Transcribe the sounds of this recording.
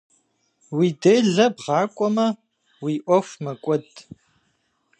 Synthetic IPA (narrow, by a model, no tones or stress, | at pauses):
wiːdɐɮɐbʁɑːkʷʼɔmɐ | wiːʔʷɔfmɐkʷʼɔdʼ